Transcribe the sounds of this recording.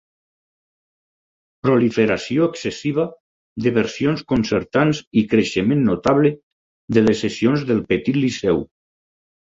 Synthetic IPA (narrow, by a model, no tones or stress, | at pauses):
pɾolifeɾasioeksesiβ̞a | ðeβeɾsijonskonseɾt̪anzikɾeʃemẽnːot̪aβle | d̪elesesionzðelˠpet̪it̪lisɛw